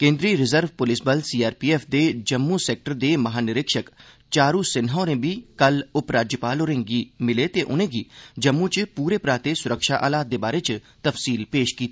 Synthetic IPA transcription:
kẽːnd̪ɾiːɾɪzəɾʋpʊlɪsbəlsiːaːɾpiːeːfʰd̪eːd͡ʒəmːusɛːk̚ʈəɾd̪eːməɦaːnɪɾɪkʃək | t͡ʃaːɾuːsɪnɦõːɾẽːbiːkəlʊpɾaːd͡ʒjəpaːloːɾẽːɡiːmɪleːt̪eːʔʊ̰nẽːɡiːd͡ʒəmːũːt͡ʃpuːɾeːpɾaːt̪eːsʊɾəkʃaːʔa̰ːlaːt̪̚d̪eːbaːɾeːt͡ʃ | t̪əfsiːlpeːʃkiːt̪ː

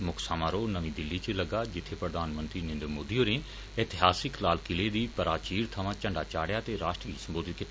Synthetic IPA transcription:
mʊkʰsaːmãːɾoːnəʋĩːd̪ɪlːiːt͡ʃələɡaːd͡ʒɪt̪ʰːepɾəd̪aːnmə̃nt̪ɾiːnẽːnd̪ɾmoːd̪ioːnẽː | ɛːt̪ɪɦaːsɪklaːlkɪleːd̪iːpəɾaːt͡ʃiːɾt̪ʰəʋãːt͡ʃə̃ɳɖaːt͡ʃaːɽjaːt̪eːɾaːʃʈɾisəmboːd̪ɪt̪k

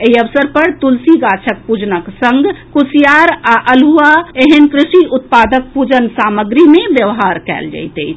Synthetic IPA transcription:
eɦiəʋsəɾpəɾt̪ulsiɡat͡ʃʰək̚pud͡ʒnəksə̃ŋɡkusijaɾaʔəluaeɦənkɾɪʃiut̪̚pad̪ək̚pud͡ʒənsaməɡɾimebjəʋɦaɾkɛ̰ld͡ʒa̰jt̪əjt͡ʃʰ

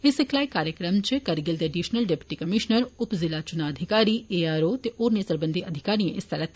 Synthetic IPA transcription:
ɪsɪklaːikaːɾjəkɾəmt͡ʃekɐɾɡɪld̪eɖiːʃnəlɖeːpɪ̥ʈikɐmɪʃnəɾʊpzɪlat͡ʃʊnaɐd̪ʱɪkaːɾieːaːɾoːt̪eʔoːɾnesɐɾbə̃nd̪ʱiɐd̪ʱɪkaːɾijẽʔɪst̪ʰɐɾət̪ʰ

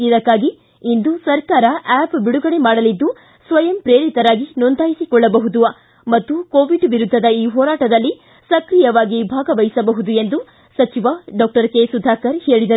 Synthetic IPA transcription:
id̪ɐkːaːɡiː | nd̪usɐɾkaːɾɐʔɛːpbiɽuɡɐɽe̞maːɽɐlid̪ːu | sʋɐjɐmpɾeːɾit̪ɐɾaːɡinɔnd̪ʱaːjisikɔɭːɐbɐɦud̪uʋɐ | mɐt̪ːukoːʋiɖʋiɾud̪ʱːɐd̪ɐiːɦɔːɾaːʈɐd̪ɐlːi | sɐkɾijɐʋaːɡibʱaːɡɐʋɐjisɐbɐɦud̪ue̞nd̪u | sɐt͡ʃiʋɐɖɔːk̚ʈɐɾkeːsud̪ʱaːkɐɾhe̞ːɭid̪ɐɾu

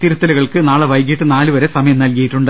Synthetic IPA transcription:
t̪iɾut̪ːɐlɐɣɐɭkɨnaːɭeʋɐjk̬iʈːɨnaːlɨʋɐɾesɐmɐjɐmnɐlkɐjiʈːuɳɖɨ

